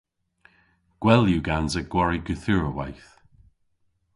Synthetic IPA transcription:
ɡ̥wɛljuɡanzəɡ̥wɔɹiɡuθuɹəwa̰jθ

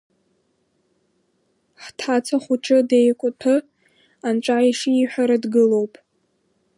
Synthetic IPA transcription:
ħtʰat͡sʰaχʷuʈ͡ʂʰɨdejkʷʼʊtʰɨ | ant͡ʃʷʼaiʂiiħʷᶣaɾadɡɨlo̞wpʼ

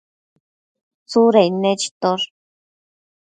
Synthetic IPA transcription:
t͡suɾeined͡ʒi̥t̪oɾ

